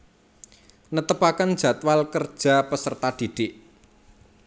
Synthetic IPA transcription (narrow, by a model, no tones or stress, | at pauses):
nət̪əpakənd̥ʒ̥ä̤t̪walkərd̥ʒ̥a̤pəsərt̪ad̪̥i̤ɖ̥ɪʔ